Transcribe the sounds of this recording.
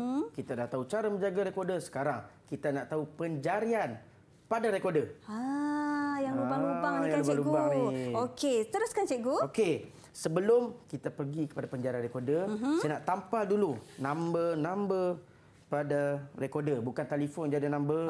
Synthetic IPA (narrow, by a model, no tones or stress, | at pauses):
kit̪adaht̪aut͡ʃaɾaməɲd͡ʒaɡaɾekodəsə̥kaɾaŋkit̪anaʔt̪aupəɲd͡ʒaɾian | padaɾekodəa | jaŋlubaŋlubajalubalubaŋioket̪əɾʊskant͡ʃeɡuoke | səbəlʊmkit̪apərɡikə̥padapəɲd͡ʒaɾianɾekodəsanaʔt̪ampaldulunãmbənãmbə | padarekodəbukant̪alifɔnd͡ʒadinãmbə